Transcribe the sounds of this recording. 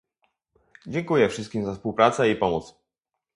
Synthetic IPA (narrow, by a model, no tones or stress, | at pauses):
d͡ʑɛŋkujɛfʂɘst̪̚kʲimzaspuwpɾat̪sɛipɔmɔt̪s